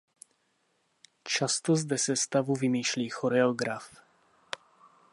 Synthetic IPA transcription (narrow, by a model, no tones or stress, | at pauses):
t͡ʃast̪ozd̪ɛsɛst̪avuvimiːʃliːxoɾɛoɡɾaf